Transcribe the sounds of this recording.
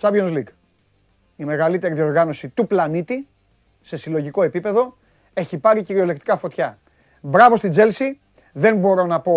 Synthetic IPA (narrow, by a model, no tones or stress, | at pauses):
sɐbonslik | ime̞ɣɐlit̪e̞ɾiðio̞ɾɣɐno̞sit̪uplɐnit̪i | se̞silo̞ʝiko̞e̞pipe̞ðo̞ | e̞çipɐɾiciɾio̞le̞kt̪ikɐfo̞t̪çɐ | bɾɐvo̞st̪id͡ze̞lsi | ðe̞nbo̞ɾo̞nɐpo̞